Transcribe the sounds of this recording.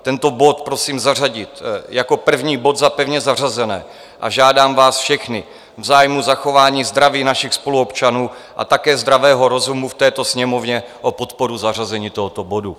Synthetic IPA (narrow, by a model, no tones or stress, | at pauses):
t̪ɛnt̪o̞bo̞t̪pɾo̞siːmzar̝aɟɪt̪jako̞pr̩vɲiːbo̞t̪zapɛvɲɛzar̝azɛnɛː | ʔa̰ʒaːdaːmvaːsfʃɛxnɪ | vzaːjmuzaxo̞vaːɲiːzd̪ɾaviːnaʃɪxspo̞luopt͡ʃanuːʔa̰t̪akɛːzd̪ɾavɛːɦo̞ɾo̞zumuft̪ɛːt̪o̞sɲɛmo̞vɲɛ | ʔo̞po̞t̪po̞ɾuzarazɛɲiːt̪o̞ɦot̪o̞bo̞du